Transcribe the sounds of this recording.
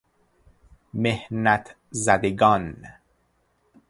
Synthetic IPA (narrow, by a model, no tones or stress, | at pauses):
mehnæt̪ʰ | zæd̪eɡɒːn